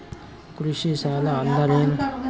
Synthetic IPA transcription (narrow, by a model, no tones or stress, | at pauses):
kɾuʃisaːlaːnd̪ɐɾeːn